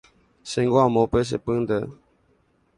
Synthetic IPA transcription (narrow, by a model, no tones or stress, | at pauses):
seŋɡwamopəs̬ə̰pɨd̪ə